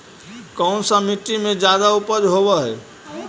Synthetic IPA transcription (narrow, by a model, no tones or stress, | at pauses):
kɔnsãmiʈːimed͡ʒad̪aupəɾɦoβɛɦɛː